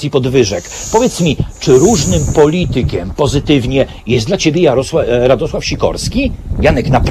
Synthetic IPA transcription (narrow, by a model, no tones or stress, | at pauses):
ipɔd̪vɘʐɛkpɔvʲjɛt̪smʲit͡ʂɘɾuʐnɘmpɔlʲit̪ɘkʲɛmpɔzɘt̪ɘvɲɛ | jɛslat͡ɕebʲjɛjaɾɔswaɾad̪ɔswafɕikɔ̰ɾskʲijanɛknap